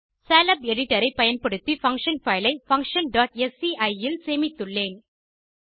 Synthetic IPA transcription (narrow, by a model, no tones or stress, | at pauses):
saːlɐbɛɽɪʈːɐɾɐɪpɐjɐnpɐɽɯt̪ːifɐŋkʂɐnfɐɪlɐɪfɐŋkʂɐnɖaːʈ̚ɛsiʔɐɪɪlseːmɪt̪ːɯɭːeːn